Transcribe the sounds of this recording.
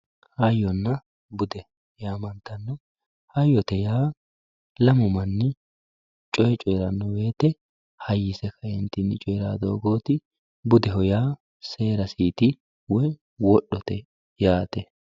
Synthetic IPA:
hɐjːɔnːɐ | bʊd̪ɛ | jaːmɐnt̪ɐnːɔ | hɐjːɔt̪ɛjaː | lɐmʊmɐnːɪ | t͡ʃʼɔjɛt͡ʃʼɔjɾɐnːɔwe̞ːt̪ɛ | hɐjːɪsɛkɐjɛnt̪ɪnɪt͡ʃʼɔjɾa̰ːd̪o̰ːɡo̞ːt̪ɪ | bʊd̪ɛɦɔjaː | se̞ːɾɐsiːt̪ɪ | wɔj | wɔɗːɔt̪ɛ | jaːt̪ɛ

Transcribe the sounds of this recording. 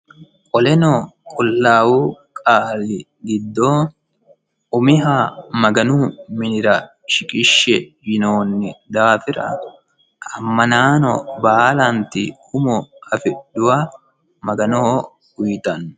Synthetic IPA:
kʼɔlɛnokʼɔlːaːwuːkʼaːlːɪ | ɡɪd̪ːoː | ʔʊmɪɦaːmɐɡɐnuːmɪnɪɾɐ | ʃɪkʼɪʃːɛjɪnoːnːɪd̪aːfɪɾɐ̰ | ɐmːɐnaːnɔ̰baːlɐnt̪ɪhʊmɔɐfɪɗːʊwɐ | mɐɡɐno | ɡʊjt̪ɐnːʊ

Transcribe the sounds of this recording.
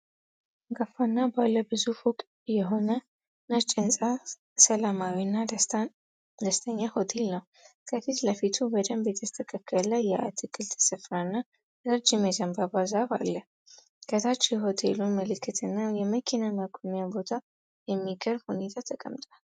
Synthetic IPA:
ɡafanːabalːəbɨzufukʼ | jɛɦo̞nə | nət͡ʃʼːənsʼa | səlamawinːa | d̪əst̪ʰəɲːaho̞t̪ʰe̞lnəw | kʰəfit̪ləfit̪ʰubəd̪əmbjɛt̪ʰəst̪ʰəkʰəkʰːəllajːɛʔa̰t̪ʰɨkʰːɨlt̪ʰə̥səfɾanːa | ɾəd͡ʒɪmɛzəmbabazaβalːə | ɡ̥ət̪ʰat͡ʃːiɦo̞t̪ʰeluməlɨkʰːɨt̪ʰɨnːajɛməkʰinaməɡʰʼonjabo̞t̪ʰa | jɛmːiɡəɾbhune̞t̪ʰat̪ʰəkʼə̰mt̪ʼwal

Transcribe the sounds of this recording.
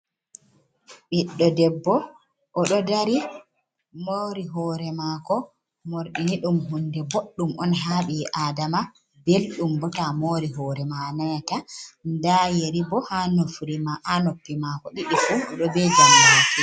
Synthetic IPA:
ɓiɗːɔdɛbːɔ | ʔɔɗɔdaɾi | moɾiɦɔɾɛmakɔ | moɾɗiniɗumɦundɛboɗːumɔnɦaɓiʔadama | belɗumbɔtamoɾiɦɔːɾɛmanatandajeɾibɔhanofuɾimaʔanopːimakɔɗiɗifuɔɗɔbɛd͡ʒamiwaki

